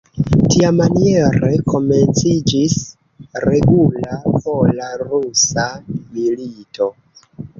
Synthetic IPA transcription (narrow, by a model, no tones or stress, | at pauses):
tiamanie̞ɾe̞ko̞me̞nt͡sid͡ʒis | ɾe̞ɡulapolaɾusamilito̞